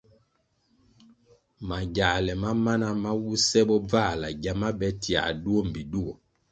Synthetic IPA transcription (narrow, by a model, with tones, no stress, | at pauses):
ma˨ɟa˨lɛ˨ma˦ma˦na˦ma˦wu˦sɛ˦bɔ˦b͡va˦˨la˨ɟa˨ma˦bɛ˦ti˨a̰˨du˦o˦m̩˨bi˨du˦o˨